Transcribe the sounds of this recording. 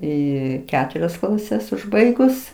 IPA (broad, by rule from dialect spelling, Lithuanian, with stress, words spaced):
ˈiː ˈkʲæːtʊrʲɛs klˠɐˈsʲɛs ʊʒˈbɐɪɡʊs